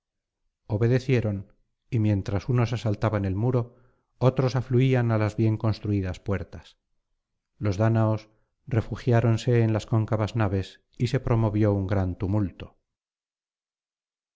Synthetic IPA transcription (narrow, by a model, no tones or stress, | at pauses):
o̞βe̞ðe̞θje̞ɾo̞n | imjẽ̞nt̪ɾasuno̞sasalt̪aβane̞lmuɾo̞ | ot̪ɾo̞safluianalazβje̞ŋko̞nst̪ɾuiðaspwe̞ɾt̪as | lo̞zðanaos | re̞fuxjaɾo̞nse̞ːnlasko̞ŋkaβaznaβ̞e̞s | ise̞pɾo̞mo̞β̞jo̞uŋɡɾant̪umult̪o̞̥